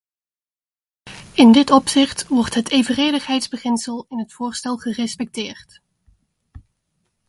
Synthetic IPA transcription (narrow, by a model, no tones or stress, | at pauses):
ɪndɪtɔpsɪχtʋɔɹtɦətʰejvərejdəχɦɛjtzbəχɪnsəlˠɪnɦətfʊːɹstɛlˠχərɛspɛk̚tɪːrt